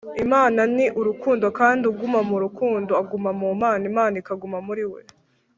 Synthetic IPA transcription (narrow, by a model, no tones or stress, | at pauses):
imaːnaniʔuɾukuːndo̞kaːndiuɡumamuɾukuːndoaɡumamumaːnimaːnikaɡumamuɾiwḛ